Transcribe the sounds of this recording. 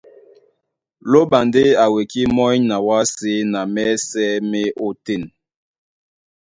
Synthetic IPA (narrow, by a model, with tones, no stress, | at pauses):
lo˦ɓa˨nde˦a˨we˨ki˦mɔ˦ɲna˨wa˦se˦na˨mɛ˦sɛ˦me˦o˦te˦˨n